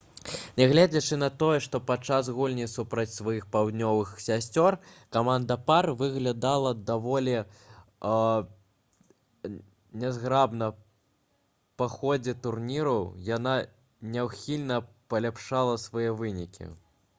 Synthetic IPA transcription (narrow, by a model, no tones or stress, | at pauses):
nʲɛɣlʲad͡zʲɐt͡ʂɨnɐt̪ɔjɛʂt̪ɔpatt͡ʂːas̬ɣulʲnʲisupɾɐt͡sʲsvajixpawd̪nʲɔvɨxsʲasʲt͡sʲɔrkamand̪ɐparvɨɣlʲad̪alˠɐd̪avɔlʲɛ | nʲɛzɣɾabnɐ | paxɔd͡zʲɛt̪urnʲiɾɐwjana | nʲɛwxʲilʲnɐ | pɐlʲapʂalˠɐsvajɛvɨnʲikʲḭ